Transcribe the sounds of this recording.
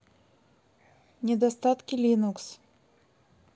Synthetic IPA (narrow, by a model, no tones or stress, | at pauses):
nʲɛd̪ast̪at̪kʲilʲinuks